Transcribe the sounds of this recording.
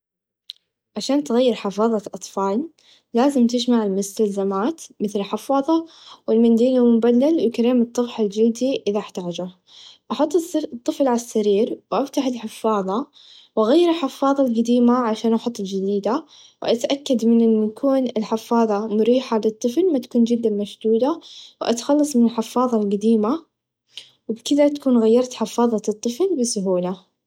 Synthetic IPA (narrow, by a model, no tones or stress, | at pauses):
ʕaʃaːnt̪ɪɣajːɪɾħɪfɑːðˤɑʔɑt̪ˤfɑːlː | aːzɪmt̪ɪd͡ʒmaʕɪlmʊst̪alzamaːt̪mɪθlɪlħɪfɑːðˤɑ | wɪlmand̪iːnamʊbalːalwɪkaɾeːmɨt̪ˤːɑɣħald͡ʒɪld̪iʔɪðaʔɪħt̪aːd͡ʒʊ | ʔɑħʊt̪ˤːt̪ˤːɨflʕalasːaɾiːɾwʔaft̪aħɪlħɪfːɑːðˤɑ | wʔaɣajːɪɾɪlħɪfːɑːðˤɑlqad̪iːmaʕaʃaːnʔɑħʊt̪ˤːd͡ʒɪd̪iːd̪a | wʔat̪ʔakːad̪mɪnʔɪnːjakʰuːnɪlħɪfːɑːðˤɑmʊɾiːħalɨt̪ˤːɨflmat̪ḁkuːnd͡ʒɪd̪ːamaʃd̪uːd̪awʔa̰t̪xɑlːɑsˤmɪnɪlħɪfːɑːðˤɑlqad̪iːma | wɪbkɪd̪at̪ḁkuːnɣajːɑɾˤt̪ħɪfːɑːðˤɑt̪ˤːɨflbɪsʊɦuːla